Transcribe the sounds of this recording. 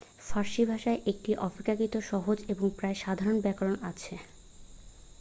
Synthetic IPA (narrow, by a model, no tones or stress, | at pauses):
faɾʃibʱaʃaeʔek̚ʈiʔɔpikakit̪oʃɔɦod͡ʑeboŋpɾaeʃad̪ʱaɾonbɛkaɾonat͡ɕʰe